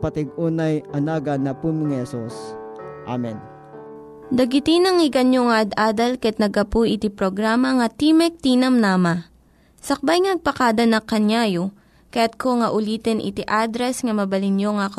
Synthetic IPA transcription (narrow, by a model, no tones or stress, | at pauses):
pɐt̪ɪɡuːnajʔɐnaːɡɐnːɐpumɪŋhɛsusʔa̰mɛn | d̪ɐɡɪt̪inɐŋɪɡɐnjoŋɐʔɐd̪ʔaːd̪ɐlkjat̪̚nɐɡɐpuʔɪt̪ipɾoɡɾaːmɐŋɐt̪imɛk̚t̪inɐmnaːmɐ | sɐk̚bajŋɐnɐɡ̚pɐkad̪ɐnɐkːɐnjaːjo | kɐjat̪̚koŋɐʔʊliːt̪ɛnʔɪ̰t̪iʔad̪ɾɛsŋɐmɐbɐlɪnjoŋak